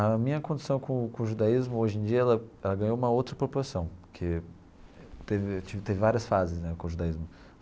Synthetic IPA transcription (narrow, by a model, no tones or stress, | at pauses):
ɐmĩɲɐkõd͡ʒisɐ̃w̃kõkõʊʒud̪aizmʊoʒẽj̃d͡ʒiɐɛlɐɛlɐɡɐ̃ɲowũmɐowt̪ɾɐpoɾpulasɐ̃w̃kʰe | t̪evɪt͡ʃivɪt̪evɪvaɾiɐsfazɪsnɛkõʊʒud̪aizmʊ